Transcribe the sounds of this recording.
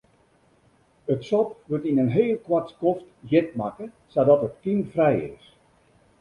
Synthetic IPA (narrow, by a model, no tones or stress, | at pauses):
ətsɔpʋøtinənɦeːlˠkwatskɔftjɪtmakə | sadɔtətkinfrɛjɪ̰s